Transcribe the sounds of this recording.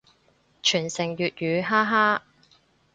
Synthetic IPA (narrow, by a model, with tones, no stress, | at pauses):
t͡ʃʰyː˨˩nsɪ˨˩ŋjyː˨t̚jyː˨˧ɦaː˥ɦaː˥